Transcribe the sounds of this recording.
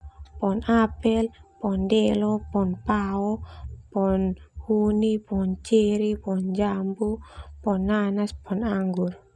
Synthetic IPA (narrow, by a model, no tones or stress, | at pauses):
pɔnapɛlpɔndɛlɔpɔnpaɔpɔnhunipɔnt͡ʃiɾipɔnd͡ʒambupɔnːanaspɔnaŋɡur